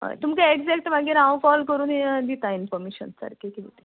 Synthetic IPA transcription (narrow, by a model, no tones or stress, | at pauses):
ɦə̰jt̪umkaeɡd͡zɛk̚ʈmaɡiːɾãwkɔlkəɾuːnid̪it̪ainfɔɾmeɕə̰nsa̰ɾkʰikiʋit̪e